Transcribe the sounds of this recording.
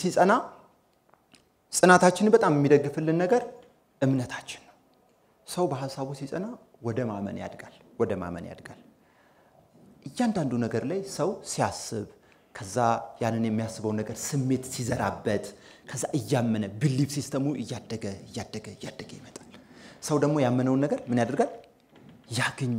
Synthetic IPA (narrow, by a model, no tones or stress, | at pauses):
sisʼəna | sʼɨnat̪ʰat͡ʃːɪnbət̪ʼamjɛmːid̪əɡːɨfɨlːɨnːəɡəɾ | ʔɨmnət̪ʰat͡ʃːɪn | səwbəɦasːaβusisʼəna | wɔd̪əmamə̰nja̰d̪ɡal | wɔd̪əma̰mə̰nja̰d̪ɡal | ʔɨjːand̪and̪unəɡəɾlajsəwsijasːɨβ | kʰəzːajanːɨnjɛmːijasːɨβəwnːəɡəɾsɨmːe̞t̪sizəɾabːət̪ | kʰəzːaʔɨjːamːənəbɨlːiβsist̪ʰəmuʔɨjːad̪ːəɡəɨjːad̪ːəɡəɨjːad̪ːəɡəjɪmət̪ʼalsəwd̪əɡmo̞jamːənəwnːəɡəɾmɨnjad̪əɾɡal | jaɡɨɲː